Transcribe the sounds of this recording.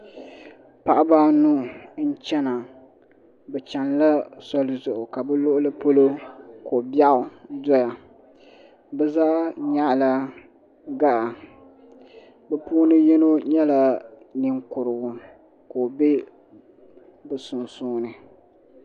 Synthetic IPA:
pa˨ʔa˦ba˦nu˦n̩˦t͡ʃɛ˦na˨ | bɛ˨t͡ʃa˨nla˦sɔ˦lɨ˦zʊ˨ʔʊ˨ka˨bɛ˦lo˦ʔʊ˦lɨ˦po˦lo˦ko˨ba˦ʊ˨dɔ˦ja˨ | bɛ˦zaː˦ɲa˦ʔla˦ | ɡa˦ʔa˨ | bɛ˦puː˦nɨ˦jɛ˦no˦ɲɛ˦la˨nɨ˦ŋkʊ˨ɾɨ˨ɡʊ˨ | ko˨be˦ | bɛ˨sʊ˨nsuː˦nɨ˨

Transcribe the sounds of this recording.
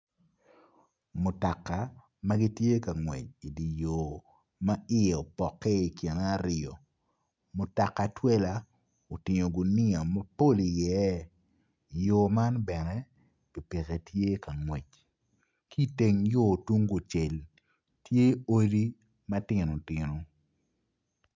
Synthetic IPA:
mʊ˨ta˨kːa˨ | ma˦ɡi˦tje˦ka˨ŋwḛ˨t͡ʃ̚i˨di˨jo˨ | ma˦ɪ˦ɛ˨o˨pɔ˨kːɛ˦i˨kɛ˨na˦ɾɪ˨ɔ˨ | mʊ˨ta˨ka˨twɛ˦la˨ | o˨tɪ˨ɲo˨ɡʊ˨nɪ˦a˨ma˦po˦˨li˨jɛ˨˦˨ | jo˨ma˦nbɛ˨nɛ˦ | ɡ̥i˨pi˨ke˨tje˦ka˨ŋwe˨t͡ʃ | ki˦˨te˨ŋjo˦˨tu˦ŋɡo˨t͡ʃe˨l | tje˦o˦di˦ | mɐ˦tɪ˨no˨tɪ˨no˨

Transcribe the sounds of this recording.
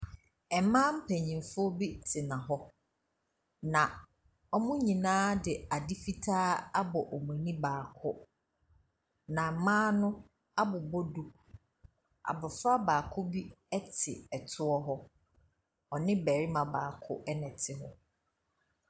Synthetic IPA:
ɛ˨mã˦m̩˦pʰɛ˨ɲĩ˨mfʊ˦ɔ˦bi˦tʰɪ˨nã˨ɦɔ˦ | nã˨ | ɔ˦mʊ̃˦ɲĩ˨nãː˦dɪ˨a˨dɪ˦fi˦tʰaː˦a˦bɔ˨ʔɔ˨mũ˨nĩ˦baː˨kʰʊ˦ | nã˨mãː˦nʊ̃˦ | a˦bʊ˨bɔ˦du˨ | a̰˨bʊ˨fa˦baː˨kʰʊ˦bi˦ɛ˦tʰɪ̰˨ɛ˨tʰʊ˦ɔ˦ɦɔ˦ | ɔ˨nɪ̃˦bæ˨ɾi˦mã˨baː˨kʰʊ̰˦ʔɛ˦nɛ̃˨tʰɪ˨ɦɔ˦

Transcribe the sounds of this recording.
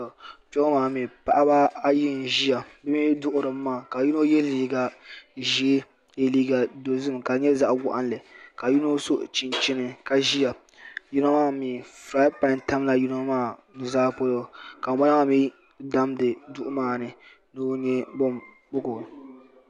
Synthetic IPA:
t͡ʃɔ˦maː˨miː˨pa˨ʔa˦ba˦a˦ji˦n˨ʒi˦ja˨bɛ˦miː˦dʊ˦ʔʊ˦ɾɨ˨mː˦aː˦˨ka˨ju˦no˦jɛ˦liː˦ɡa˨ʒi˦e˦ | je˦liː˦ɡa˨do˨zɨ˦m˨ka˨ɲɛ˦za˦ʔɡa̰˨ʔa˦n˦lɨ˨ka˨ju˦no˦so˦ʔt͡ʃi˨nt͡ʃɪ˦nɨ˦ka˨ʒi˦ja˨ | ju˦no˦maː˦˨miː˨fɾaː˦pa˨nta˦m˦la˨ju˦no˦maː˦˨nɨ˨zaː˦po˦lo˦˨ka˨˦ma˦a˦ma˦˨mi˦ | da˦mdɨ˨dʊ˦ʔʊ˦maː˦˨nɨ˨ | nɨ˦nɛ˦bɔ˦m | bʊ˦ɡʊ˨

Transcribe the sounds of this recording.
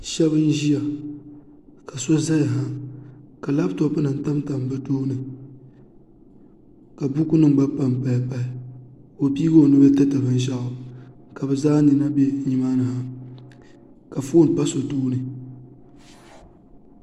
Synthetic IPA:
ʃɛ˦βɨ˦n̩˦ʒi˦ja˨ | ka˨so˦za˦ja˨ɦa˦ka˨la˦btɔ˨pɨ˦nɨ˨n̩˨ta˦m˦ta˨m˨bɨ˦doː˦nɨ˨ | ka˨bu˦ku˦nɨ˦ŋ˨ɡ͡ba˦pa˦mpa˨˦pa˨ɪ˨o˨pi˦ɡo˦˨nɨ˦bɛ˦tɨ˦ta˨bɨ˦n˦ʃa˦ʔʊ˨ | ka˨bɛ˨zaː˦ni˨na˦be˦ɲi˦maː˦nɨ˨ha˦ | ka˨fo˦n˨pa˦so˨doː˦nɨ˨

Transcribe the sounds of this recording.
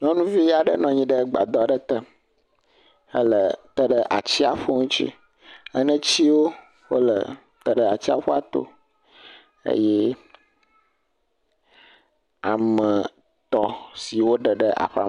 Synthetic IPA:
ɲɔ̃˦nũ˦vi˦a˨ɖə̰˦nɔ̃˨ɲĩ˦ɖə˦ɡ͡ba̰˨d̪ɔ˨ɖə˦t̪ə˦ | ə˦lə˨t̪ə˦ɖə˦ʔa̰˨t͡ɕi˦a˨ɸo˦ŋũ˦t͡ɕḭ˦ | ə˦nə̃˦t͡ɕi˦wo˦ | wo˦lə̰˨ | t̪ə˦ɖə˦˨a˨t͡ɕi˦a̰˨ɸo˦a˨t̪o̰˦ | ḛ˦jɛ˦ | a̰˨mə̃˨ | t̪ɔ˨˦si˨wo˦ɖə˨ɖə˦ʔa̰˨ɸa̰˦˨

